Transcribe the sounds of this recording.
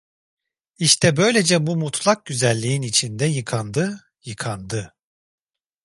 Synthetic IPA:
iʃt̪ʰɛbø̞jlʲe̞d͡ʒɛbumut̪ʰlˠak̚ɟyzælʲːiinit͡ʃʰind̪ɛjɯkʰand̪ɯ | jɯkʰand̪ɯ

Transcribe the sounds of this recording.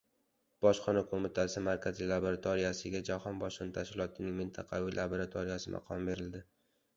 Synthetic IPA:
b̥ɒʃχɒnakʰomɪt̪ʰasɪmaɾkʲazilˠaboɾat̪ʰoɾijasɪɡʲad͡ʒahɒnbɒʃɨnt̪ʰaʃkʲɪlɒt̪ʰɪnɪŋmɪnt̪ʰɑqʰɑvɪlʔaboɾat̪ʰoɾɪjasɪmʔɑ̰qʰɒmbe̞ɾɪld̪ɪ

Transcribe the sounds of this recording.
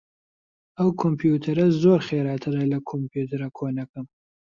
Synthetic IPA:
ɐwkʰompʰjut̪ʰɐɾɐzoːɾχeːɾɑːt̪ʰɨɾɐlɐkʰompʰjut̪ʰɐɾɐkʰoːnɐkɨm

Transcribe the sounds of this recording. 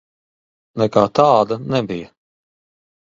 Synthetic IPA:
nɛkaːt̪aːd̪ɐnɛbijɐ

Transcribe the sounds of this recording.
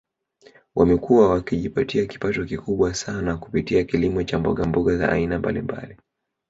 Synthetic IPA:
wʔamɛkuwawakiʄipatiaki̥patɔkikuɓwasanaku̥pitiakilimɔt͡ʃambɔɠambɔɠaza̰ʔːinamba̰lḭmba̰li

